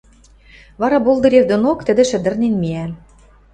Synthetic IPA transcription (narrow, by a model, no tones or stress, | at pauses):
βɑɾɑbolˠd̪ɤ̆ɾerd̪onokt̪ɘ̆d̪ɘ̆ʃɘ̆d̪ɘ̆rnenmiæ